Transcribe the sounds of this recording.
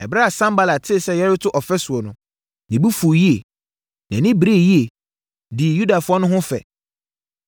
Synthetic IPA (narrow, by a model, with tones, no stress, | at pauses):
ɛ˨bɾa˦a˨sã˦mba˦la˨tʰɪ˦˨sɛ˦˨jɛ˦ɾɪ˦tʰʊ˦ʔɔ˨fɛ˦sʊ˨ɔ˨nʊ̃˨ | nɪ̃˨bi˦fu˨ji˦e˨ | nã˨nɪ̃˦bɾe˦˨ji˦e˨ | dɪ˨ju˦da˨fʊ˦ɔ˦nʊ̃˦ɦʊ̃˦fɛ̰˨